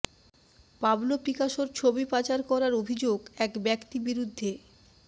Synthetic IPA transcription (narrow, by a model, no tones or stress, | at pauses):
pablopɾikaʃoɾt͡ɕʰobipat͡ɕaɾkɔɾaɾobʱid͡ʑoɡɛkbɛkt̪ibiɾud̪ʱːe